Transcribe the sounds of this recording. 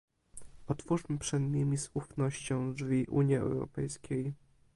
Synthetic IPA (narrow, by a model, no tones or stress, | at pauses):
ɔt̪fuʂmɘpʂɛd̪ɲʲemʲizufnɔɕt͡ɕɔ̃w̃d͡ʐvʲiʔṵɲiɛ̰wɾɔ̰pɛjskʲʰej